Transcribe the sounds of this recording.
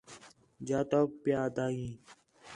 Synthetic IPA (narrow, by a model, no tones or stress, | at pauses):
d͡ʒaːt̪oːpjaːd̪aːĩː